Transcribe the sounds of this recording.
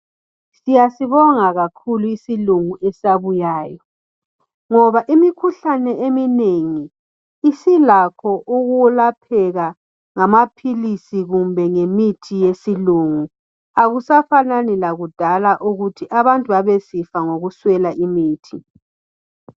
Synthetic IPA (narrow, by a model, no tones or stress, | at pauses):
sijasiβɔŋaɣakʰuluisiluŋuɛsaβujaːjɔ | ŋɔβaʔimikʰuɬanɛemineŋiː | silakʰɔʔuɣulapʰɛɣa | ŋamapʰilisiɣumbʱɛŋemitʰijesiluŋu | aɣusafananilaɣud̥ʱalaʔuɣutʰiʔaβantʼuβaβɛsifaŋoɣuswɛlaʔimiːtʰi